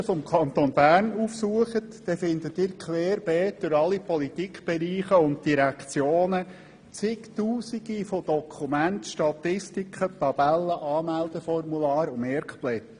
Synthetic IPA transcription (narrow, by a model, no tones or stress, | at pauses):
fɔmkʰɑnt̪onbæːɾnuːfsuəχətdɛfɪnd̪ətɪːɾkʰlɛːɾb̥ɛːt̚d̪̥ʊɾɑlipɔlitikχb̥ɛɾiːχəʊnt̚d̥iɾækt͡sjoːnə | t͡sɪktuːsiɡifod̥ɔkʰχumæntʃtɑt̪ɪstikʰχət̪ɑb̥ælːəʔɑːmæld̥əfɔrmulɑːɾʊmɛɾkplɛt